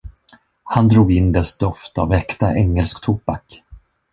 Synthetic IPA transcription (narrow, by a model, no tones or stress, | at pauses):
hand̪ɾuːɡɪnːd̪ɛsd̪ɔft̪a̰vɛkt̪aʔɛŋːɛlskt̪ʰuːpak